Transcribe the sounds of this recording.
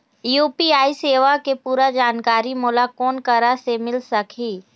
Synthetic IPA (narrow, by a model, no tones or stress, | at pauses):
juːpiaːiseːʋakepuːɾad͡ʒaːnkaːɾimʊlakɔːnkəɾasemɪlsɐkʰiː